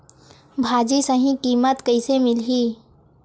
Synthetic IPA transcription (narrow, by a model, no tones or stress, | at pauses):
bʱaːd͡ʒisəɦĩkiːmət̪kəisemɪlɦiː